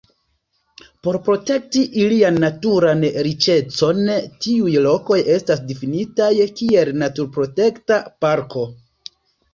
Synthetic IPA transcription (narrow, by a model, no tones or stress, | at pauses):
po̞ɾpɾo̞te̞k̚tiʔilianːatuɾanɾit͡ʃe̞t͡so̞ntiujlo̞ko̞je̞stas̬difinitajkie̞lnatuɾpɾo̞te̞ktapaɾko̞